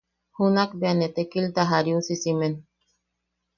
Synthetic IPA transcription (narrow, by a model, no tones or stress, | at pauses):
hunakbeanet̪ekilt̪aɦaɾiusisimen